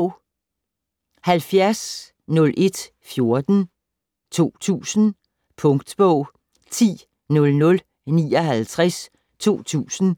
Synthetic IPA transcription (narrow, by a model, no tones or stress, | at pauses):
hælfjæɐs | nɔ̽lʔe̝d̥ | fjo̝ɐd̥n̩ | t͡sʰo̝̰ːt͡sʰṵːsn̩ | pʰɔ̽ŋd̥b̥ɔʊ̰ | t͡sʰḭː | nɔ̽lnɔ̽l | nḭːɒɦælt͡sʰʁas | t͡sʰo̝̰ːt͡sʰṵːsn̩